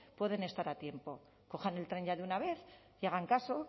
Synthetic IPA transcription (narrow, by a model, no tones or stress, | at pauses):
pwe̞ðe̞ne̞st̪aɾat̪je̞mpo̞ | ko̞xane̞lt̪ɾe̞ɲʝaðeunaβe̞θ | iaɣ̞aŋkaso̞